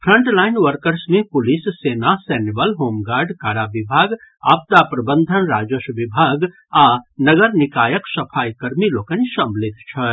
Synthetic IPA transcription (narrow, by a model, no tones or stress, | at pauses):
pʰɾə̃ɳʈlaːɪnʋəɾkəɾsmẽpʊlissenaseːnibəlɦoːmɡaːɾɖkaːɾabibʱaːɡ | a̰ːp̚t̪apɾəbənd̪ʱənɾaːd͡ʒoʃʋibʱaːɡ | anɐɡəɾnikaːjəksɐpʰaːjkɐɾmiloːkənsɐ̃mblɪt̪̚ʰt͡ʃʰɐ